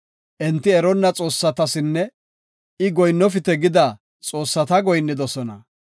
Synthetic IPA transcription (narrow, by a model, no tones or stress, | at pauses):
ʔɛnt̪ːɪɛɾɔnːɐt͡sʼo̞ːsːɐt̪ɐsɪnːɛ | ɪɡɔjnːɔfɪt̪ɛɡɪd̪ɐ | t͡sʼo̞ːsːɐt̪ɐɡɔjnːɪd̪ɔsɔnɐ̰